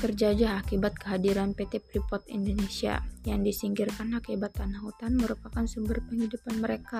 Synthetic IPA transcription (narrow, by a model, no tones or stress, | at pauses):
t̪ərd͡ʒad͡ʒaakibat̪̚kəɦadiɾanpet̪epɾipɔt̪ḭndonesia̰jaŋdisiŋɡirkanakibat̪anaɦut̪anməɾupakansumbərpəŋidupanməɾeka